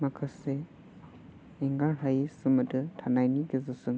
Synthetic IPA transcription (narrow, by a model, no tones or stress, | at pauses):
makʰase | iŋɡaɾɦajisɯmɐdɯtʰanajniɡizɯsɯŋ